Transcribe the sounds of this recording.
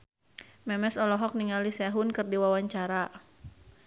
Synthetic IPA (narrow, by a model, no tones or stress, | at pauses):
mɛmɛsɔlɔɦɔk̚niŋalisɛɦʊnkɨrdiwawaɲt͡ʃaɾa